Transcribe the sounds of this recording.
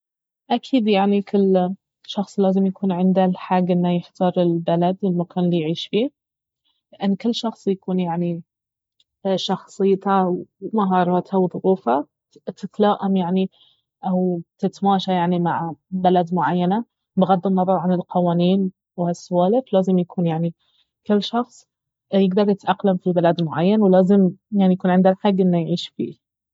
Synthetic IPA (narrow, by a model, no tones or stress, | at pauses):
ʔakʰiːd̪jaʕnikʰʊlː | ʃɑxsˤlaːzɪmjakuːnʕɪnd̪alħaːɡʔɪnːajɪħt̪ʰɑːɾˤɪlbalad̪ɪlmakaːnlijʕiːʃfiː | lɪʔanːkɪlːʃɑxsˤjakuːnjaʕni | ʃɑxsˤɨjːt̪awmaɦɑːɾˤɑːt̪ʰawðˤʊɣuːfa | t̪ɪt̪laːʔamjaʕni | ʔawt̪ɪt̪maːʃajaʕnimaʕbalad̪mʊʕajːana | bɪɣad̪ːɪnːɑðˤɑɾˤʕanɪlqɑwaːniːn | whasːʊwaːlɪflaːzɪmjakʰuːnjaʕni | kɪlːʃɑxsˤ | jɪɡd̪ɑɾˤjɪt̪ʔaqlamfilbɪlaːd̪mʊʕajːanwlaːzɪmjaʕnijakuːnʕɪnd̪alħaɡːʔɪnːajʕiːʃfḭː